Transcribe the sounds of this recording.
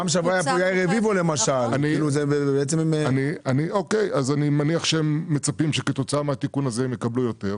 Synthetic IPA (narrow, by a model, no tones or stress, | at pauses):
amʃavajapujajʁevivolemaʃalaniluzeebeet͡semimanianioke̞jazanimaniaχʃeemːet͡sapimʃeket̪o̞t͡saameat̪ikunazeemjekablujo̞t̪e̞ʁ